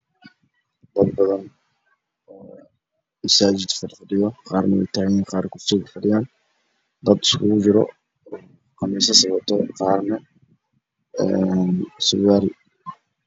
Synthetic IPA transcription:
d̪̥ɐd̪bɐðɐn | ɔː | mɐsaːd͡ʒɪd̪fɐdfɐɖɪjɔqɑːɾnɛwɛ̰jt̪ʰaːɣjiːnqɑːɾkʰʊft̪ikfɐɖɪjaːn | d̪ɐd̪ɪ̥skʰʊɣʊd͡ʒɪɾɔ̰ | qɑmɛs̬ɐsɐβɐt̪ʰɔqɑːrnɛ | ɛnsʊwaːɾɪ

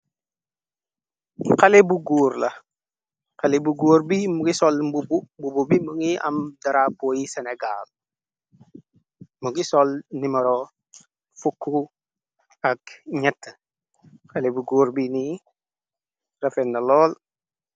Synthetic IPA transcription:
qalebuɡuːɾlɐ | qalebuɡuːɾbimuɡisɔlmbububububimuŋiɐ̰mdɐɾapojiseneɡa̰l | muɡisɔlnimɐɾo | fukʰːu | akɲɐtːə | kalebuɡuːɾbini | rɐfenːɐlɔːl

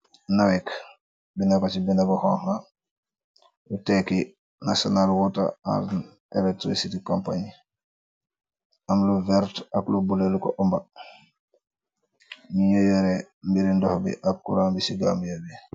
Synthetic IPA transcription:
nawɛk | binakat͡ʃibinabahɔŋha | utɛki | nasonalwɔta̰a̰ɾ | ɛlek̚tɾḭsitikompaɲi | amluvɛɾtaklubulelukɔʔɔmba | miɲojɔɾe | mbiɾindɔhbḭʔak̚kuɾaːmbisiɡa̰mjabi

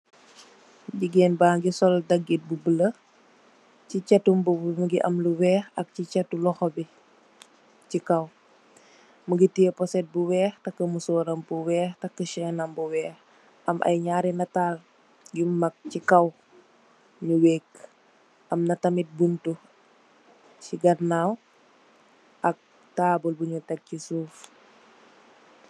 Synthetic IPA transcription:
ɟiɡeːnbaːŋɡisɔldɐɡit̚bubələ | cicɛtːumbumuɡiʔɐmluwɛːxɐk̚cit͡ʃɛtːulɔxɔbi | cikɐw | muɡitijepɔsɛt̚buwɛːxtɐkːəmusɔːɾɐmbuwɛːxtɐkːəʃɛnɐmbuwɛːx | ɐmʔɐ̰jɲaːɾinɐtaːl | jumːɐk̚cikɐw | ɲuweːk | ʔɐmnɐtɐmit̚buntu | t͡ʃiɡɐrnaw | ʔɐk̚ | taːbulbuɲutɛk̚cisuːf

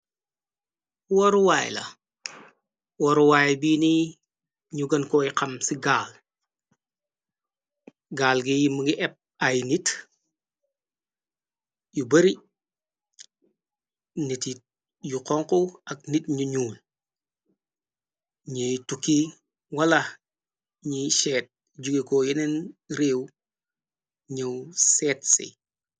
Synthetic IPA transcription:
wɔɾuwaːj̰lɐ̰ | wɔɾuwajbini | ɲuɡɐnkɔiqɐmsiɡaːl | ɡaːlɡijimɐɡiʔɛp̚ | ɐjnit | jubɐɾi | niti | juqɔŋkoɐk̚nitɲuɲuːl | ɲejtukːi | wɐlɐ | ɲiʃɛːt̚ | ɟuɡekojinenɾeːw | ɲɐwsɛːt̚sḭ

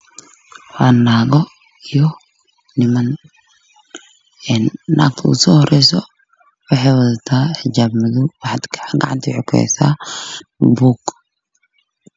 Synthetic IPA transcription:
wanːaːɣɔ | ijɔ | nɪmɐn | ɛːnːa̰ːɡt̪ʰɐʊ̰sɔːhɔrɛjsɔ | wɑħɑjwɐðɐt̪ʰaːħɪd͡ʒaːbmɪðʊwɑħɑd̪kʰɡɐ̰ʕa̰nt̪ʰiħʊkʰɛ̰saː | buːɡ

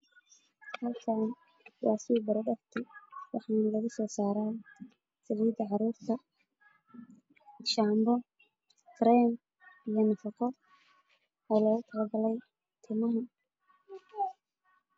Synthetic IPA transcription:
hɐlkʰaːn | wɑːsɪʊbɐɾɐɖɐft̪ʰɪwɑ̰ħɑːnlɐɣɐsɔːsaːɾaːn | sɐliːd̪ɐʕɑɾuːrt̪ʰɐ | ʃaːmbɔ | ɡ̥ɾɛm | ijɞnɐfɑqɔ | ɔːlɔːɣʊt̪ʰɐlɐɡɐlɛj | t̪ʰɪmɐɦʊ

